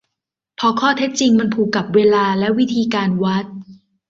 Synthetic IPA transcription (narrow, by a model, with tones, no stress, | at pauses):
pʰɔ˧kʰɔː˥˩t̪ʰe˦˥t̪̚t͡ɕi˧ŋma˧npʰuː˨˩kːa˨˩p̚weː˧laː˧lɛ˦˥wi˦˥t̪ʰiː˧kaː˧nwa˦˥t̪̚